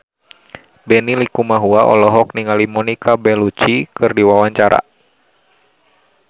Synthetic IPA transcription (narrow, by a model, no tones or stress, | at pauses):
bɛnilikumaɦuaʔɔ̰lɔɦɔk̚niŋalimɔnikabɛlut͡ʃikɨrdiwawaɲt͡ʃaɾa̰